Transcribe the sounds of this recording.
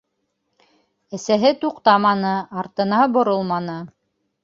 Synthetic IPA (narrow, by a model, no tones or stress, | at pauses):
æsæɦɘt̪uqt̪ɑmɑnɤɑɾt̪ɤ̆nɑbŏɾolˠmɑnɤ